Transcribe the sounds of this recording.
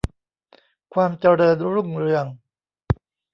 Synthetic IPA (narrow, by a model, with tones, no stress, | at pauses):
kʰwaː˧mt͡ɕa˧ɾɤː˧nɾu˥˩ŋɾɯ˧əŋ